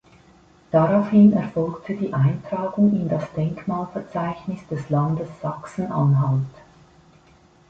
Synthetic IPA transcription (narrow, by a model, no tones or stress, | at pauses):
d̥aʁaʊfhɪnɛɐfɔlktʰədiːʔaɪntʁ̥aːɡʊŋɪndasd̥ɛŋkmaːlfɛɐt͡saɪçnɪsd̥ɛslandəsːaksn̩ʔa̰nɦalt